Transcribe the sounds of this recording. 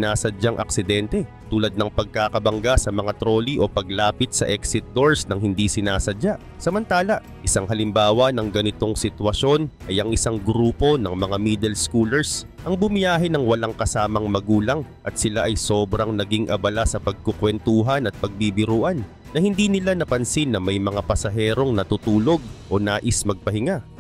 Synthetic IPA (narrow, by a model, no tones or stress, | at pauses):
naːsɐd͡ʒaŋʔɐ̰ksɪd̪ɛnt̪ɛ | t̪uːlɐd̪̚nɐŋpɐɡ̚kaːkɐbɐŋɡasɐmɐŋat̪ɾo̞ːliʔo̞pɐɡ̚laːpɪt̪̚sɐ̰ʔɛksɪt̪̚d̪o̞ɹsnɐŋhɪnd̪isɪnaːsɐd͡ʒaʔ | sɐmɐnt̪aːlɐʔʔɪsaŋɦɐlɪmbaːwɐnɐŋɡɐnɪt̪o̞ŋsɪt̪wɐso̞nʔɐjʔɐŋɪsaŋɡɾuːpo̞nɐŋmɐŋamiːd̪ɛlskuːlɛɹs | ʔɐŋbʊmɪjaːɦɛnɐŋwɐlaŋkɐsaːmɐŋmɐɡuːlɐŋʔɐt̪̚sɪlaʔɐjso̞ːbɾɐŋnɐɡiŋʔɐ̰bɐlasɐpɐɡ̚kokwɛnt̪uːɦɐnɐt̪̚pɐɡ̚bibɪɾuːʔɐnː | ɐhɪnd̪iːnɪlanɐpɐnsinːɐmɐjmɐŋapɐsɐɦɛːɾo̞ŋnɐt̪ut̪uːlo̞ɡ̚ʔo̞naːʔɪsmɐɡ̚pɐhɪŋa